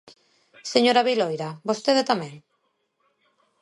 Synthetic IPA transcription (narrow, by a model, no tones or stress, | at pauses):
seɲoɾaβilojɾabost̪eðet̪amɛ̃ŋ